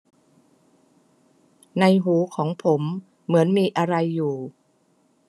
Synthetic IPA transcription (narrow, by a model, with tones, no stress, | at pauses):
na˧jɦuː˩˦kʰɔː˩˦ŋpʰo˩˦mː | ɯ˩˦ənmiː˧ʔa˧ɾa˧jːuː˨˩